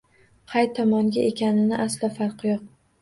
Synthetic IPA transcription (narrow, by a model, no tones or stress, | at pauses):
qʰɑjt̪ʰɒmɒŋɡʲaʔekʲanɪnɪʔaslafɑɾqʰɨjɒq̚